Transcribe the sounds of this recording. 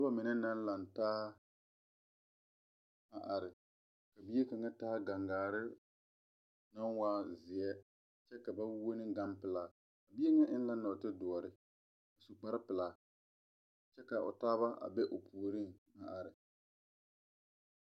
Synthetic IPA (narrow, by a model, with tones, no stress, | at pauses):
a˦ba˦mɪ˨nɛ˦na˦n˦la˨n˨taː˦ | a˨ʔa˨ɾɪ˨ | ka˨bi˦e˦ka˨ŋa˦taː˦ɡa˨ŋɡaː˨ɾɪ˦ | na˦nwaː˦zɪ˨ɛ˦ | t͡ʃɛ˦ka˨ba˦wo˦nɪ˦ɡa˦mpɪ˨la˦˨ | ka˨bi˦e˦ŋa˦ʔɪ˦n˦la˦na˨tɪ˦dʊ˨ɔ˨ɾɪ˦ | a˨su˨k͡pa˦ɾɪ˦pɪ˨la˨ | t͡ʃɛ˦ka˨ʊ̰˨taː˦βa˦ʔa̰˨bɛ˦ʔʊ˨pʰuː˨ɾi˦ŋa˨ʔa˨ɾɪ˨